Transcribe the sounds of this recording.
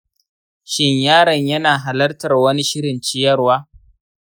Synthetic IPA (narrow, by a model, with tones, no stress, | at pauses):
ʃɪ˦ɲjaː˦ɽɐ˨ɲjɐ˦naː˨ɦa˨lɐ˦rtɐ˨rwɐ˦ni˦ʃɪ˦ɽɪ˨nt͡ʃɪ˦jɐ˦rwaː˦